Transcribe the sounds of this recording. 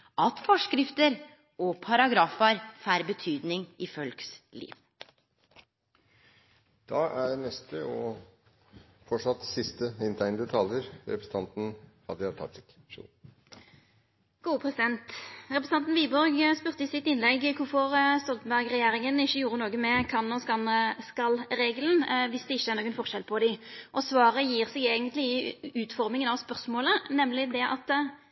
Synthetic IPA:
ʔɑt̪fɔʂkɾɪft̪əɾ | ɔpʰɑɾɑɡɾɑːfɑɾfæːɾbət̪ʰyːd̪nɪŋɪfœlkslḭːʋ | d̪̥ɑæɖnɛst̪əɔ | fɔʂɑt̪ːsɪst̪əɪnt̪ʰæɪnd̪ət̪ʰɑljəɾɾɛ̰pʰɾəsə̥t̪ʰɑnt̪n̩hɑd̪əjæt̪ʰɑ̰t̪ɪk | ʂṵ | ɡ̥uːəpʰɾɛsɪd̪ɛnt̪ʁɛpɾəs̩nɑnt̪nʋiːbɔɾɡspʉʁt̪əɪsɪt̪ːɪnlɛɡkʰʊfɔʁst̪ɔlt̪n̩bæʁɡʁɛjeːɾɪŋənɪçːəjuːɾənoːɡəmɛkʰɑnːɔskɑnskɑlɾeːɡlnʋɪsd̪ɛɪçːəæʁnoːɡənfɔʁʃɛlpʰɔd̪ɪʔɔsʋɑːɾəjiːʁsɛɡɛːɡənt̪lɪɪʉːt̪fɔʁmɪŋənɑʋspœʁsmoːlənɛmlɪd̪ɛʔɑt̪

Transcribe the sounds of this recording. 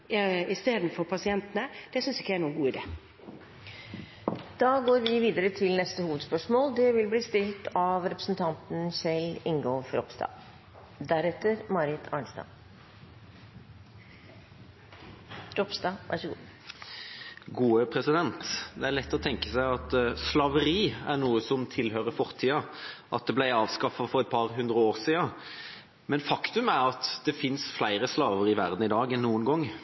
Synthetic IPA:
ɪst̪eːd̪n̩fɔɾpʰɑsɪɛnt̪nəd̪̥ɛsʏnsɪkːəæɾɳuːəɡuːɪd̪ḛː | d̪̥ɑːɡoːɾʋɪʋiːd̪əɾət̪ʰɪlnɛst̪əhuːʋəd̪spœʂmoːld̪ɛʋɪlbliːst̪ɪlt̪ʰɑʋɾɛpɾəsnt̪ʰɑnt̪n̩sɛlɪŋɡofɾɔpsd̪ɑ̰ː | d̪æɾɛt̪ːəɾmɑɾɪt̪ʰɑ̰ɳsd̪ɑ̰ː | ɾɔpsd̪ɑʋæ̰ʂəɡṵː | ɡuːəpʰʁɛsɪd̪ɛnt̪d̪ɛæɾɭɛt̪ːɔɔt̪ʰɛŋkəsæɪɑt̪slɑːʋəɾiːæʁnuːəsɔmt̪ʰɪlhøːʁəfɔʁt̪ʰiːɑʔɑt̪̚d̪ɛblæɪɑːʋskɑfɑfɔʁɛt̪̚pʰɑʁɦʉnd̪ɾəoːʁsiːɑ | mɛnfɑkt̪ʉmæɾɑt̪d̪̥ɛfɪnsflæɪʁəslɑːʋəɾɪʋæʁd̪n̩ɪd̪ɑːɡɛnːuːənɡɔŋː

